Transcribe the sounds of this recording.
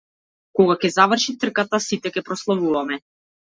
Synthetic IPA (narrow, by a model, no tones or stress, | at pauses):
kɔɡakʲɛzavr̩ʃit̪r̩kat̪asit̪ɛkʲɛpɾɔslˠavuvamɛ